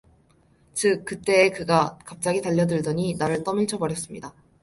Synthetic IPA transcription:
t͡ɕɯk͈̚ːɯt͈e̞ːkɯɡakap̚t͡ɕ͈aɡitaʎːʌdɯɭdʌɲinaɾɯɭt͈ʌmiɭt͡ɕʰʌbʌɾjʌs͈ɯmɲḭda

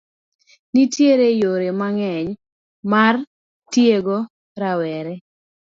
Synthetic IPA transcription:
nitjeɾejoɾemaŋɛɲ | mar | tjeɡo | ɾawɛɾɛ

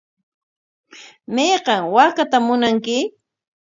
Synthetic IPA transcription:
mejqɑŋwakat̪amʊnaŋkɪ

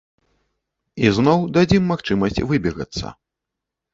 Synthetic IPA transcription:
iznɔwd̪ad͡zʲimːaxt͡ʂɨmɐsʲt͡sʲvɨbʲɛɣɐ̰t̪sːɐ̰

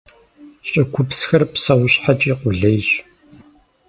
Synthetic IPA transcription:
ɕʼɐkʷʰʊpsxɐrpsɐwʊɕħat͡ʃʼiːqʷʊɮɐjɕ

